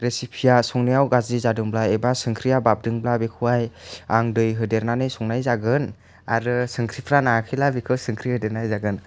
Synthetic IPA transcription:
ɾesipʰijasuŋnijawɡazizadɯŋblaebasɯŋkʰɾijabap̚dɯŋblabekʰuajaŋdɯjɦɯdeɾnanɯjsɔŋnajzaɡɯn | aɾɯsɯŋkʰɾipʰɾanakʰilabikʰɯwsɯŋkʰɾihɯdeɾnajzaɡɯn

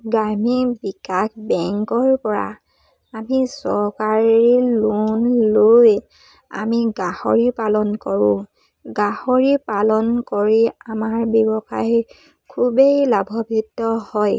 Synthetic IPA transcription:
ɡamibikakbɛŋkɔɹpɔɹa̰ | amisɔɹkaɹilunloj | a̰miɡahɔ̰ɹipalɔnkɔɹʊ̰̃ | ɡahoɹipalɔnkoɹiamaɹbibɔxaɦi | kʰubejlabʱɔbʱitːɔhɔj

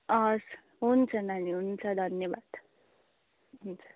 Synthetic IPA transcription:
ʌs | ɦunt͡sʰʌnaniɦunt͡sʰʌd̪ʱʌnjʌbad̪̥ | ɦunt͡sʰʌ̥

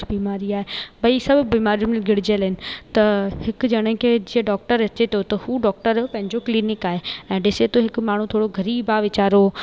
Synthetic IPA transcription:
biːmaːɾiaːɦebɐisɐbʱbiːmaːɾiũmlɡʱɪɽ̤ɪd͡ʑəlɦɪnɪ̆t̪ɐhɪkd͡ʑɐɽ̃ɪ̃kʰed͡ʑiːəɖɔːk̚ʈəɾɐt͡ɕet̪ʰot̪ɐhuɖɔːk̚ʈəɾpɐ̃ɦɪ̃ɲd͡ʑokliːnɪkaːɦeɛ̃ːɖɪset̪oɦɪkmaːɳ̤ũt̪ʰoːɽoɡʱɐɾiːbaːʋɪt͡ɕaːɾo

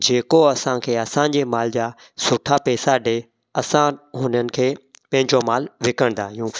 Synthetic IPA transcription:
d͡ʑeːkoɐsãkʰeːɐsãd͡ʑeːmaːld͡ʑaː | sʊʈʰapɛːsaɖeː | ɐsãɦʊnənɪ̆kʰeːpɐ̃ɦɪ̃ɲd͡ʑomaːlʋɪkəɽ̃nd̪aːɦijũː

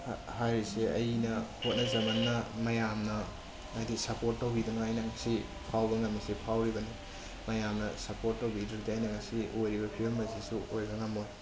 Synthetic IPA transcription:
hajɾiseʔɐ̰jnɐhot̚nɐzɐmɐnːɐmɐjamnɐ | adisɐpoɾt̚ːowbidɐŋaajnɐŋɐsi | pʰawbɐŋɐmːɐsipʰawɾibɐni | mɐjamnɐsɐpoɾt̚ːɐwbidɾɐk̚diajnɐŋɐsiʔojɾibɐpʰiomːɐsisuojɡɐŋɐmoj

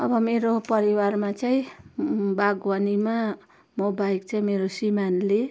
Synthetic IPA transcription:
ʌbʌmeɾopʌɾiwarmat͡saĩ | baɡwanima | mobaikt͡saĩmeɾosimanle

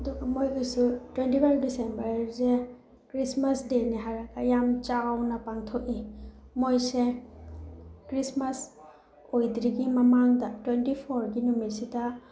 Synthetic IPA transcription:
ɐduɡɐmojɡasutwentipʰajp̚disembɐɾse | kɾismasdeniɦaɾaɡajamt͡ʃaɡawnɐpaŋtʰokimojse | kɾismas | ojdɾiɡimɐmaŋdɐtwentipʰoɾɡinumisida

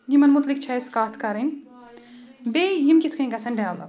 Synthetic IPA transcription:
ɡimɐnmut̪lik̚t͡ʃʰaskaːt̪ʰkɐɾin | bejimkʲit̪ʰkʰɐ̃ɡɐsɐnɖaːwlɐ̰

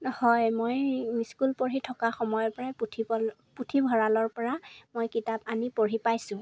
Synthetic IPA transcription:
hɔjmojmiskulpoɹitʰɔkaxɔmɔjɔɹpɔɹajputʰibɔ | putʰibʱɔɹalɔɹpɔɹamojkitapanipoɹipajsʊ̃

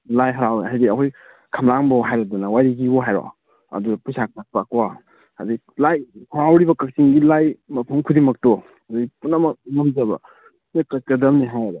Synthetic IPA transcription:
lajɦɐɾawɦajdiɐkʰoj | kʰɐmlaŋbɔɦajɾɐdunawajɾiɡibɔɦajɾɔ̰ | ɐ̰dupusak̚pak̚pakwaː | dii | lajhɐɾawɾibɐkɐk̚siŋɡilajmɐpʰumkʰudimɐk̚tɔ | ɐduɡipunːɐmɐmɐmd͡ʒɐbɐ | pnɐkɐkɐdɐmniɦajbɔ

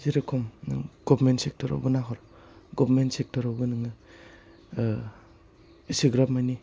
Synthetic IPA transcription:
ziɾakʰɔmnɡ̥ɔbmentsek̚tʰɔɾa̰wbɯnaɦɔɾ | ɡɔbɾmentsek̚tɔɾawɡɯnɯŋɯ | isiɡɾap̚majni

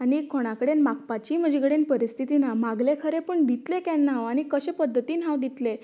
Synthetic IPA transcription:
anikʰːoɽ̃akəɽenmak̚pat͡ɕiːm̤əd͡ʑekəɽenpəɾist̪ʰit̪inamaɡlekʰəɾepəɳd̪it̪lekɛnːaʋaɽ̃ikəɕẽpəd̪ʱːət̪iːnɦãʋd̪it̪le

